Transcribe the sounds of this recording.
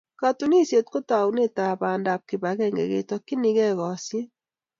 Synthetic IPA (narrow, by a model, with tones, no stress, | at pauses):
ka˨tu˨ni˦˨sje˨tko˦ta˨wne˦ta˨baː˨nda˨p̚kɪ˨ba˨kɛ˦ŋɡɛ̰˨ɣḛ˨tɔ˨kːi˦ni˦kɛ˦ɣɔ˨sje˦